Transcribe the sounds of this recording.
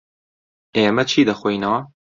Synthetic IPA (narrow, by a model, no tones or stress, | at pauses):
eːmɛt͡ʃʰiːd̪ɐxʷoinɑː